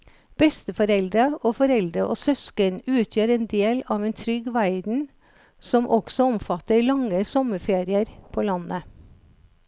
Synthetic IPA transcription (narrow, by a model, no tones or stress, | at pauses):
b̥ɛst̪əfɔɾɛld̪ɾəoːfɔɾɛld̪ɾəʔoːsœskənʉːt̪ʰjøːɾeːnd̪eːlɑːʋeːnt̪ʰɾʏɡʋæɪd̪n̩ | sɔmʔɔɡ̥sɔɔmfɑt̪əlɑŋːəsɔməfeːɾɪəɾpʰoːlɑnə